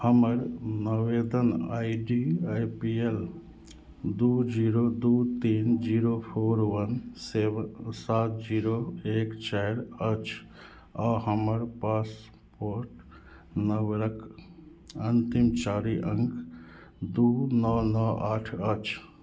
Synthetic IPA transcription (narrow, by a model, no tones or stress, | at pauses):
hɐməɾnɐʋeːd̪əna̰ːjɖiajpiel | d̪uːd͡ʒiːɾoːd̪uːt̪iːnd͡ʒiːɾoːpʰoːɾʋɐnseːʋsaːt̪̚d͡ʒiːɾoeːkt͡ʃɛːɾɐt͡ʃ | aːhɐmɐɾpaːs | poːɾʈ | nɐʋeɾɐk | ɐnt̪imt͡ʃaːɾiʔəŋk | d̪uːnɔːnɔːaːʈʰɐt͡ʃʰ